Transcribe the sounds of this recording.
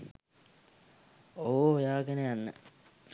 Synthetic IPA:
oːojaːkenejanːə

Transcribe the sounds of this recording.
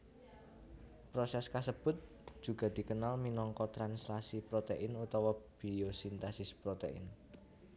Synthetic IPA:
pɾosɛskasəb̥ʊ̤t̪̚ | d̥ʒ̥ṳɡ̥a̤d̪̥i̤kənalminɔŋkɔt̪ɾanslasipɾot̪eʔɪnut̪ɔwɔb̥iosint̪asɪspɾot̪ḛʔɪ̰n

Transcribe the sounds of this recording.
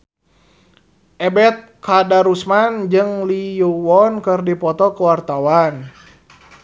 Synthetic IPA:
ʔɛbɛt̪̚kadaɾusmand͡ʒɨŋlijuwɔnkɨrdipɔt̪ɔkəwart̪awan

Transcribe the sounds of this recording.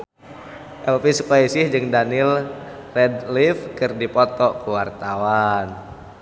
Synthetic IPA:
ʔɛlfisukaisɪhd͡ʒɨŋdanilrɛdlifkɨrdipɔt̪ɔkuwart̪awan

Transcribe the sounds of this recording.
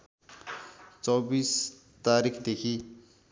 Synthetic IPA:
t͡sʌbis | t̪aɾikʰd̪ekʰi

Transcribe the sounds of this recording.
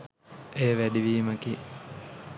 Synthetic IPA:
eːʋæɖiʋiːməki

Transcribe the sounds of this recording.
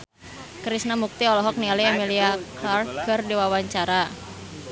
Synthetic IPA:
kɾisnamuk̚t̪iɔlɔɦɔk̚nialiamiliaklarɡərdiwawaɲt͡ʃaɾa

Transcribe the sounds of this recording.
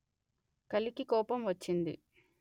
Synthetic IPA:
kɐlikikɔːpɐmʋɐt͡ʃːind̪ḭ

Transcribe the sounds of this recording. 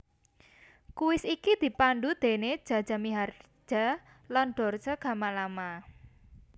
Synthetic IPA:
kuwɪsikid̪̥i̤panɖud̪̥e̤ne̥ʒ̥a̤d̥ʒ̥a̤miɦar̥ | ʒ̥a̤ | lanɖ̥ɔ̤rdd͡ʒ̥aɡ̥ä̤malama

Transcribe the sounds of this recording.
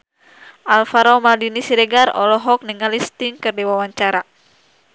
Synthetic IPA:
ʔalfaɾɔmaldinisiɾɛɡarɔ̰lɔɦɔk̚niŋalist̪iŋkərdiwawaɲt͡ʃaɾa

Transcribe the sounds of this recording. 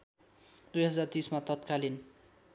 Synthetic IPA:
d̪̥ujɦʌd͡zart̪ismat̪ʌt̪̚kalin

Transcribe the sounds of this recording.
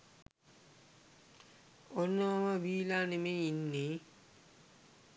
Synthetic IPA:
onːəʋaməʋiːlanemeinːe

